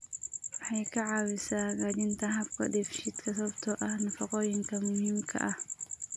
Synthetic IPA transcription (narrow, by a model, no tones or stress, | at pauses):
wɑħɑjkʰɐʕɑːwɪsaːɣaːt͡ʃɪnt̪ʰɐɦɐbkʰɐ̰d̪ɛfʃid̪kʰɐs̬ɐβɐbt̪ʰɔːʔɐhnɐfɐqɔːjɪŋkʰɐmʊhiːmkʰɐ̰ʔɐh